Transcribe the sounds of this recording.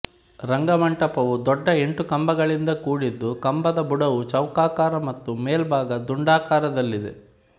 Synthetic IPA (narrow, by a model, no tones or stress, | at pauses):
ɾɐŋɡɐmɐɳʈɐpɐʋud̪ɔɖːɐeɳʈukɐmbɐɡɐɭind̪ɐkuːɽid̪ːukɐmbɐd̪ɐbuɽɐʋut͡ʃɐwkaːkaːɾɐmɐt̪ːumeːlbʱaːɡɐd̪uɳɖaːkaːɾɐd̪ɐlːid̪e̞̰